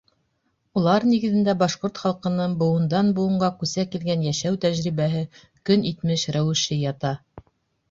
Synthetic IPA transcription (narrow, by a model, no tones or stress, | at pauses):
ulˠɑɾniɡɘ̆ðɘ̆nd̪æbɑʃqoɾt̪χɑlˠqɤ̆nɤɴbŏwɤ̆nd̪ɑnbuwɤ̆ɴɢɑkʉsækilɡænjæʃæwt̪æʑɾiβæɦɘ | kɵnit̪mɘʃɾæwɘ̆ʃɘjɑt̪ɑ